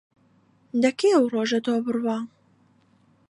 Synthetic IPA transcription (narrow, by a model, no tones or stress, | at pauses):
d̪ɐkeɐwroːʒɐt̪oːbɨrwɑː